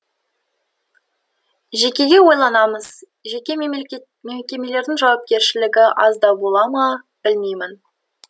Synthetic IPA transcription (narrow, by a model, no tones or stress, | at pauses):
ʒe̞kʲe̞ɡʲe̞wo̞jlˠɑnɑməz̥ | ʒekʲe̞ | memkʲe̞me̞le̞ɾd̪ɪŋʒɑwɑp̚kʲe̞ɾʃɪlɪɡʲɪʔɑ̰zd̪ɑbo̞lˠɑmɑ | b̥ɪlmejmɪn